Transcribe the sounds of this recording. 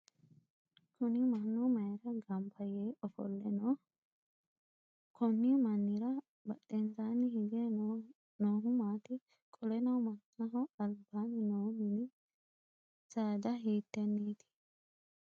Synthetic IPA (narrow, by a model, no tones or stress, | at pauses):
kʊnɪmɐnːɔmɐjɾɐɡɐmpʰɐjeːɔfɔ̰lːɛnoː | kʰɔmːimɐnːɪɾɐ | bɐtʼːɛnzaːnɪhɪɡɛ | noːɦʊmaːt̪ɪ | kʼɔlɛnɐwmɐtnɐɦɔɐlbaːnɪnoːmɪnɪ | saːd̪ɐɦiːt̪ːɛnːiːt̪ɪ̥